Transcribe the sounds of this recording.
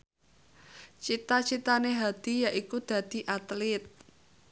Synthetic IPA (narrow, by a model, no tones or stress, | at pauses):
t͡ʃit̪at͡ʃit̪aneɦad̪̥i̤jaʔikud̪̥ä̤d̪̥i̤ʔat̪lɪt̪̚